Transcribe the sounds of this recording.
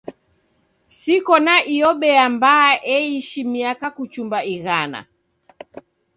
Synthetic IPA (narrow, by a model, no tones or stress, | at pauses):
sikɔnaʔiɔɓɛambaːʔɛiʃimiakakut͡ʃumbaiɣana̰